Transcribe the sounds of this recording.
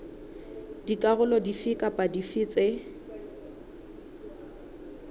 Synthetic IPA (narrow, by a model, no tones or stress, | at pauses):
dikʼaɣʊlɔdifɪkʼapʼadifɪːt͡sʼɪ